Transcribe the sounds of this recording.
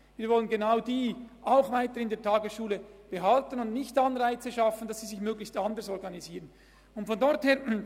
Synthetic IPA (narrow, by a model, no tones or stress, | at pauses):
viːɾvɔlənɡenaʊdiːʔaʊxvaɪtəɪndeːtʰaːɡəsʃuːləb̥əɦɑltənʊndnɪçtɑnʁaɪt͡səʃɑfən̩dɑsiːzɪçmøːɡlɪçstandəsɔɾɡɑniziːʁən | ʊntfɔndɔʁtheːɐ